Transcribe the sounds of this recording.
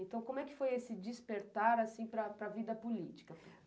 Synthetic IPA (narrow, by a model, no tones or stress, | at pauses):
ẽt̪ɐ̃w̃komʊɛkɪ̥fojesɪd͡ʒispeɾt̪aɾasĩpɾɐpɾɐvid̪ɐpulit͡ʃi̥kɐ